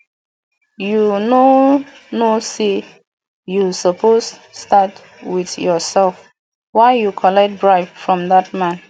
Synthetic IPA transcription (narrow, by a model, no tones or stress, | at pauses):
juno | nose | jusɔpʰosstat | wiðjɔsɛlf | waɪjukʰɔlɛk̚t̚bɹaɪffɹɔ̃mðat̚mãn